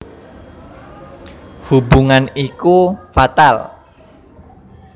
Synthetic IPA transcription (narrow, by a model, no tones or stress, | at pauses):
hubuŋanikufat̪al